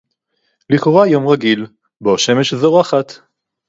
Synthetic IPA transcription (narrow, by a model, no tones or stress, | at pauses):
liχoʁajomʁaɡil | boʃemeʃzoʁaχat̪